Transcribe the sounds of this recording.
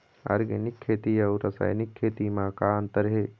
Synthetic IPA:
a̰ːɾɡənɪkʰːeːt̪iɐːɾːɐsa̰ːjnɪkʰːeːt̪imãːkaːənt̪əɾɦeː

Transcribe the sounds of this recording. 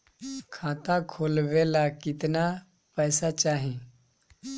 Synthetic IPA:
kʰãːt̪ãkʰoːlʋelakɪt̪na | pəːsat͡ʃaːɦẽ

